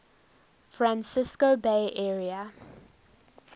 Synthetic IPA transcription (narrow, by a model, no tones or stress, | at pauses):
fɹãnsɪskobeɪʔɛɹiə